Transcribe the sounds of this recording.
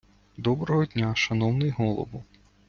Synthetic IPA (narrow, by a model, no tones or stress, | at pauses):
d̪ɔbɾɔɦɔd̪ʲnʲaʃɐnɔwnɪjɦɔlˠɔ̰ʋʊ